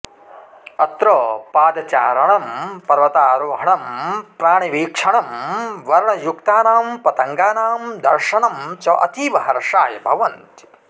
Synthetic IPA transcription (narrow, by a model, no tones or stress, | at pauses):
ɐt̪ɾɐːpaːd̪ɐt͡ʃaːɾɐɳɐmpɐɾʋɐt̪aːɾoːɦɐɳɐmpɾaːɳiʋiːkʂɐɳɐmʋɐɾɳɐjukt̪aːnaːmpɐt̪ɐŋɡaːnaːmd̪ɐɾʂɐɳɐmt͡ʃɐʔɐ̰t̪iːʋɐɦɐɾʂaːjɐbʱɐʋɐnt̪i̥